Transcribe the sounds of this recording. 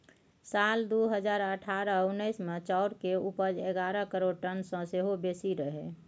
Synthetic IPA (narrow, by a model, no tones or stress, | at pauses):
sald̪uɦəd͡ʒaːɾəʈʰaɾəunːəɪsmẽt͡ʃaʊɾkeupəd͡ʒeɡaɾəkəɾoɽ̚ʈənsə̃seɦobesiɾəɦɛ